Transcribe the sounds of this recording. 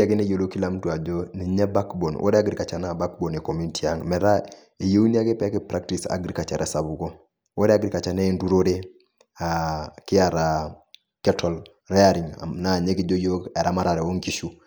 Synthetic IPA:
a˨ki˦ne˦jo˨lo˦ki˦la˦m˦tu˨a˨d͡ʒo˦ni˨ɲɛ˦ba˦kbo˨nwʔo̰˦ɾe˦a˦ɡɾi˨ka˨t͡ʃa˨na˨ba˦k̚bo˨ne˨ko˨mu˦ni˦ti˨a˦ŋmɛ˨ɾa˦ | e˨je˦u˦ni˦a˦ke˦pɛ˨˦ke˦pɾa˦k̚ti˨sa̰˨ɡɾi˦ka˨t͡ʃa˨ɾʔɛ˦sa˨bu˨ɡo˦ | wo˦ɾɛ˦a˦ɡɾi˨ka˨t͡ʃa˨ne˦ndu˦ɾo˦ɾe˦ | a˨ki˦a˨ɾa˨ | kɛ˦tʰɔ˨l | ɾɛ˦a˦ɾi˨ŋ̰na˨ɲe˦ki˨d͡ʒo˦jo˦kɛ˨ɾa˦ma˦ɾa˨ɾɛ˨wo˦ŋki˦ʃu˦

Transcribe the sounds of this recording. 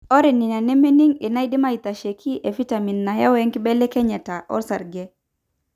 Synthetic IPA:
ɔ˦ɾi˨ni˨na˨nɛ˦me˦ni˦ŋi˨na˦jdi˦ma˦i˨t̪a˨ʃe˨kʰi˦ʔe˨fi˦ta˨mi˨nːa˨ja˦wɛ˦ŋki˦bɛ˦lɛ˦kɛ˦ɲɛ˨ta˨ʔɔ̰˦ɾsa˨ɾɡɛ˦

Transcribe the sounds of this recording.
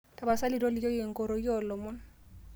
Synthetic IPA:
kʼa˨ba˨sa˦lɪ˦dɔ˦lɪ˦jɔ˦je˨ŋ̩˨kɔ˨ɾo˨i˦ɔ˦˨lɔ˨mʊ˦n

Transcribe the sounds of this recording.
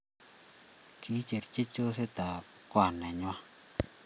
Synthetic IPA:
kʰi˨˦t͡ʃe˨ɾt͡ʃe˦t͡ʃo˦se˦t̪a˨ | kwa˨nɛ˨ɲwa˦

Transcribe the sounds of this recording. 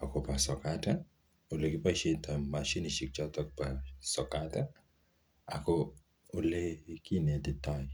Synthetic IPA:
a˨kɔ˨pa˨sɔ˨kata˦ | o˨le˨ki˦pa˦ʃe˦ta˨ma˨ʃi˦ni˨ʃi˨k̚t͡ʃɔ˦tɔ˦k̚pa˨sɔ˨kata˦ | a̰˨kɔ | o˨le˦iki˦ne˨ti˦tɔ˦jɪ

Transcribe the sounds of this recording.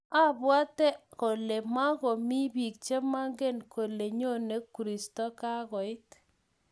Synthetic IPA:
a˦bwa˦tɛ˦ko˨le˨ma˦ɣɔ˨mi˦bi˨k̚t͡ʃe˦ma˦ŋɡe˦nkʰo˨le˨ɲo˦ne˦kːu˨ɾi˨stɔ˦ka˦ɣɔ˨ɪ˦t

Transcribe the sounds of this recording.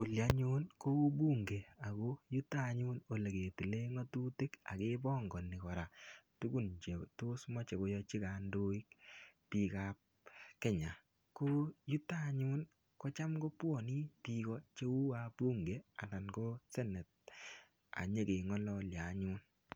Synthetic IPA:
o˨lja˨ɲu˦nko˦u˦bu˦ŋɡe˨a˨ko˦ju˦ta˦˨ɲu˦no˨le˨ke˨ti˨le˦ŋɔ˦tu˦te˦ka̰˨ke˦bɔ˦ŋɡɔ˨ni˨kɔ˨ɾa˨tu˦ku˦nt͡ʃe˨to˦smɔ˦t͡ʃe˨ko˨jɔ˧t͡ʃi˦ka˨ndo˦i˦kpi˨ka˦p̚ | kɛ˦ɲa˨ | ko˦ju˦taɲu˦n | kɔ˦t͡ʃa˦mɡo˦pwɔ˦˨ni˦pi˧kɔ˦t͡ʃe˦u˦a˦bu˦ŋɡe˨a̰˨na˨nko˦se˦nɛ˨t̚ | a̰˨ɲe˦ke˨ŋɔ˦lɔ˦˨lja˨ɲuː˦n

